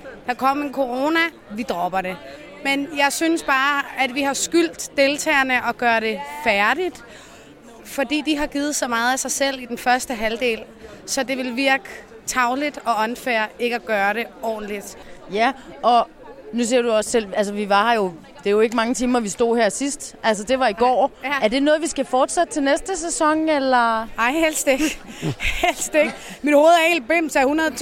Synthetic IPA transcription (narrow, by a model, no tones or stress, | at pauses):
d̥ɑ̈kʰɒ̽m̰enkʰo̝ʁo̝ːnæ | ʋid̥ʁɒ̽b̥ɐɾe̝ | menjɑ̈ɪsynəsb̥ɑ̈ːæd̥ʋihɑ̈sɡ̥yl̰d̥ːe̝lt͡sʰɛ̰ːɐnəʔɒ̽ɡ̥ɶːɐɾ̥e̝fæɐɾid̥ | fɒ̽d̥ḭːd̥iɦɑ̈ɡ̥iːð̩ˠsɒ̽mɑ̈ːð̞̩ˠæsɑ̈ɪsel̰id̥enfɶɐsd̥əɦæld̥e̝̰ːl | sɒ̽d̥e̝ʋe̝lʋiɐɡ̥ə | t͡sʰɑ̈ʊlid̥ɒ̽ɒ̽nfæɐ̰e̝ɡ̥əæɡ̥ɶːɐɾe̝ɒ̰ːn̩lid̥jæʔɒ̽ | nus̬iɐd̥uɒ̽sːel̰æls̬əʋiʋɑ̈hɑ̈jo̝ | d̥eæɐjo̝e̝ɡ̥əmɑ̈ŋət͡sʰiːmɐʋisd̥o̝̰ːheɐsisd̥ʔæls̬ɐd̥e̝ʋɑ̈iɡ̥ɒ̰ːæɐd̥e̝nɔ̽ːð̞̩ˠʋisɡ̥æfɒːd̥sed̥ət͡sʰe̝lnesd̥əs̬esɒ̽ŋ̰elɐɑɪhel̰sd̥eɡ̥hhelsd̥eɡ̥ | mid̥ho̝ːð̩ˠɐel̚b̥em̰sæhunɐð̩ˠʰ